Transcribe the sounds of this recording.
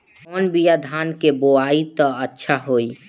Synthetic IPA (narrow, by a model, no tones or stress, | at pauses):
ɔːnbijad̪ʱaːnkeboait̪ɔətːʃʰaɦoi